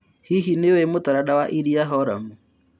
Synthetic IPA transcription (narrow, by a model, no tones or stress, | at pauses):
hiɦinewɛmotaɾadawaʔiɾiaɦɔɾamu